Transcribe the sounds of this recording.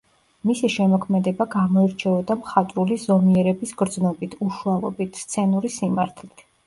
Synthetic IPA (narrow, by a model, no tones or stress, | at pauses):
misiʃɛmɔkʰmɛd̪ɛbaɡamɔiɾt͡ʃʰɛɔd̪amχat̪ʼɾulizɔmiɛɾɛbisɡɾd̪znɔbit̪ʰuʃualˠɔ̰bit̪ʰst̪sʰɛnuɾisimaɾt̪ʰli